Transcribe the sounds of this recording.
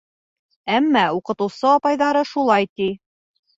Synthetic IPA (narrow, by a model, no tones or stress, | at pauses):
æmːɑuqɤ̆t̪ɤ̆wsɤɒpɑjðɑɾɤʃulˠɑjt̪i